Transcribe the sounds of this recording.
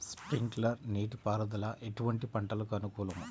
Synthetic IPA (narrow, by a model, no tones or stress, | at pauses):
spɾiŋɡlɐɾniːʈipaːɾɐd̪ɐlɐʔeʈuʋɐɳʈipɐɳʈɐlɐkuɐnukuːlɐmu